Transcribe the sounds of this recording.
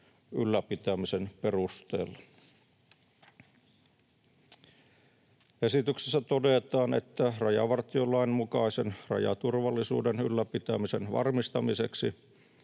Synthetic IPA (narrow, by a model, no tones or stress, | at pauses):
ylːæpit̪æmisenperust̪ḛːlːɑ | esit̪yksesːæt̪odet̪ɑːnḛt̪ːærɑjɑ̰ʋɑrt̪iolːɑinmukɑisenrɑ̰jɑ̰t̪urʋɑlːisṵːdenylːæpit̪æmisenʋɑ̰rmist̪ɑmiseksi